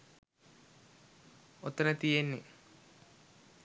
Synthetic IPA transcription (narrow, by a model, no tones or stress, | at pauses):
ot̪ːənət̪ijenːḛ